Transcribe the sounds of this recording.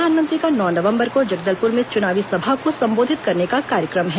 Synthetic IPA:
aːnmə̃nt̪ɾikanɔːnɐʋə̃mbəɾkod͡ʒɐɡ̚d̪əlpʊɾmẽt͡ʃʊnaːʋisɐbʱakosɐ̃mboːd̪ʱɪt̪kɐɾnekakaːɾjəkɾəmɦɛː

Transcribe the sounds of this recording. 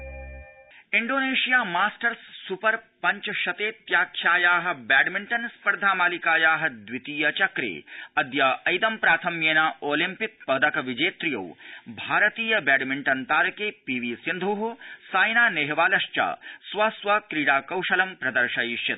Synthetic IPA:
iɳɖoːneːʃijaːmaːsʈɐɾsːupɐɾpɐɲt͡ʃɐʃɐt̪eːt̪jaːkʰjaːjaːɦɐ̆baːɖmiɳʈɐnspɐɾd̪ʱaːmaːlikaːjaːɦɐ̆d̪ʋit̪iːjɐt͡ʃɐkɾḛːɐd̪jaːʔɐjd̪ɐmpɾaːt̪ʰɐmjeːnaːoːlimpik̚pɐd̪ɐkɐʋid͡ʒeːt̪ɾijɐ̰wbʱaːɾɐt̪iːjɐbaːɖmiɳʈɐnt̪aːɾɐkeːpiːʋiːsind̪ʱuɦusaːjnaːneɦʋaːlɐʃt͡ʃa̰ːsʋaːsʋaːkɾiɽaːkɐwʃɐlɐmpɾɐd̪ɐɾʃɐjʃjɐt̪̚

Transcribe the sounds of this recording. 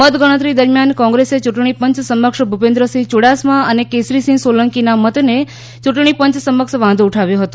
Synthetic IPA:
mət̪ɡəɽ̃ət̪ɾid̪əɾmjankɔ̃ŋɡɾeset͡ʃuʈɳ̃ipə̃ɲt͡ʃsəməkʃbʱupẽnd̪ɾəsĩt͡ʃuɽasmaənekesɾisĩŋsoləŋkinamət̪ne | t͡ʃuʈɳ̃ipəɲt͡ʃsəməkʃʋãnd̪ːʈʰaʋjõɦət̪õ

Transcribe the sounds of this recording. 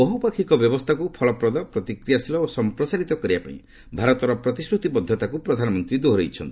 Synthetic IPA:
bɔɦupakʰikɔbjɔbɔst̪ʰakupʰɔlɔpɾɔd̪ɔpɾɔt̪ikɾijasilɔosɔmpɾɔsaɾit̪ɔkɔɾibapa̰ḭ̃ | bʱaɾɔt̪ɔɾɔpɾɔt̪iskɾut̪ipɔd̪ʱːjɔt̪akupɾɔd̪ʱanɔmɔnt̪ɾid̪oɦɾejt͡ʃʰɔnt̪i

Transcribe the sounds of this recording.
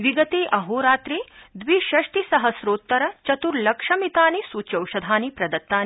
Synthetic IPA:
ʋiɡɐt̪eːʔɐɦoːɾaːt̪ɾeːd̪ʋiʃɐʃʈ̪isɐɦɐsɾoːt̪ːɐɾɐt͡ʃɐt̪uɾlɐkʂɐmit̪aːnisut͡ʃɐwʃɐd̪ʱaːnipɾɐd̪ɐt̪ːaːn

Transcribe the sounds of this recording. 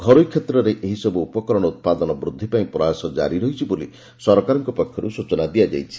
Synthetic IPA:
ɡʱɔɾujkʰːet̪ɾɔɾeʔeɦisɔbuupɔkɔɾɔɽ̃ɔut̪̚pad̪ɔnɔbɾud̪ʱːipaĩpɾɔasɔd͡ʒa̰ɾiɾɔɦit͡ʃʰibolḭ | sɔɾɔkaɾɔŋkɔpɔkʰjɔɾusut͡ʃɔnad̪iad͡ʒa̰jt͡ʃʰi̥

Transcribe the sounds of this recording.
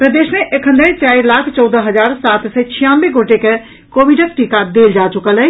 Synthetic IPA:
pɾəd̪esmeʔekʰə̃nd̪əet͡ʃaːiɾlakʰt͡ʃəwd̪əɦəd͡ʒaɾsat̪sɛt͡ʃʰijãnbeɡoʈeke | kobiɖək̚ʈikad̪eld͡ʒat͡ʃukələɦ

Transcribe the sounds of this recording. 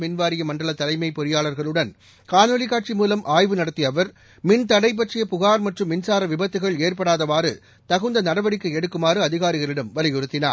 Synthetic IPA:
mɪnʋaːɾɪjɐmɐɳɖɐɭɐt̪ɐlɐɪmɐɪpːɔɾɪjaːɭɐɾɣɐɭɯɽɐn | kaːnɔlɪkaːʈ̚t͡ʃimuːlɐmʔaːjʋɯnɐɽɐt̪ːijɐʋɐɾ | mɪnt̪ɐɽɐɪp̬ːɐʈrɪjɐpʊɣaːɾmɐʈrɯmːɪnsaːɾɐʋɪbɐt̪ːɯɣɐɭeːrpɐɽaːðɐʋaːɾɯ̰ | t̪ɐɣɯnd̪ɐnɐɽɐʋɐɽɪkːɯɛɽɯkːɯmaːɾɯɐðɪɣaːɾɪɣɐɭɪɽɐmʋɐlɪjɔɾɯt̪ːɪnaː

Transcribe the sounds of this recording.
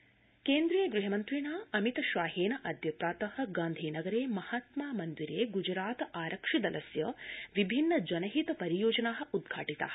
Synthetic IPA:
keːnd̪ɾijeɡɾiɦɐmɐnt̪ɾiːɳaːɐmit̪ɐʃʋaːɦeːnɐʔɐd̪ʱjɐpɾaːt̪ɐhɐ̆ɡaːnd̪ʱiːnɐɡɐɾeːmɐhat̪maːmɐnd̪iɾeːɡud͡ʒɾaːt̪ɐaːɾɐkʂid̪ɐlʔɐsjɐʋibʱinːɐd͡ʒɐnɐɦit̪ɐpɐɾijoːd͡ʒɐnaːɦɐ̆ud̪̚ɡʱaːʈit̪a̰ɐ

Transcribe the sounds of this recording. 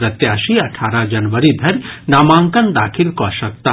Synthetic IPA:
ɾɐt̪jaːʃiɐʈʰaːɾad͡ʒɐnʋəɾib̪ʱɐɾnaːmãːŋkɐnd̪aːkʰilkoɐʃɐk̚t̪a

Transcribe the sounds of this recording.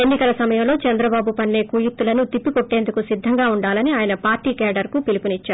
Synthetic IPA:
enːikɐlɐsɐmɐjɐmlo̞ːt͡ʃɐnd̪ɾɐbaːbupɐnːe̞ːkuːjut̪ːulɐnut̪ipːiko̞ʈːe̞ːnd̪ukusid̪ʱːɐŋɡaːuɳɖaːlɐniaːjɐnɐpaːɾʈiːkaːɖɐɾkupilipunit͡ʃːaːɾ

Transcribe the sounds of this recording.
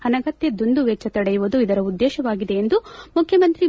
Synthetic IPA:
ɐnɐɡɐt̪jed̪und̪uʋɛt͡ʃːɐt̪ɐɽejuʋud̪uid̪ɐɾɐud̪ːɛːʃɐʋaːɡid̪eend̪umukʰjɐmɐnt̪ɾi

